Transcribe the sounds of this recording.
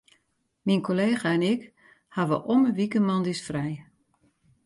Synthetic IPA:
minkʰoleːɣaɛnɪk | haʋə̰ʔoməʋikəmɑndisfrɛj

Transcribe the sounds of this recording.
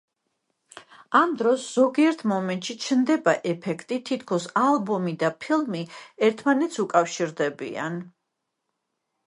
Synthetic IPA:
amd̪ɾɔsz̥ɔɡiɛɾt̪ʰmɔmɛnt̪ʼʃit͡ʃʰnd̪ɛbaʔɛpʰɛkʰt̪ʼit̪ʰit̪ʰkʰɔsalˠbɔmid̪apʰilˠmiɛɾt̪ʰmanɛt̪sʰukʼafʃiɾd̪ɛbḭa̰n

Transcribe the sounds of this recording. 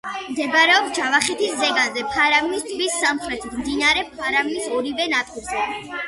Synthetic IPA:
md̪ɛbɾɛɔpsd͡ʒavaχɛt̪ʰiszɛɡanzɛpʰaɾavinist̪ʼʰvisːamχɾɛt̪ʰit̪ʰmd̪inaɾɛpʰaɾavinisɔɾivɛnat̪ʼiɾzɛ

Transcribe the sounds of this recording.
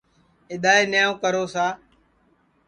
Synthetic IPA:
ɪɗ̪aːeːnɪjãːkəɾoːsaː

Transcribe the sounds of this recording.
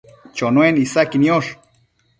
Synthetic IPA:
t͡ʃonwenisakinioʃ

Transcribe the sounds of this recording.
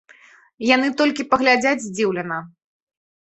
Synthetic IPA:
janɨt̪ɔlʲkʲipɐɣlʲad͡zʲad͡zʲzʲd͡zʲiwlʲɛnɐ

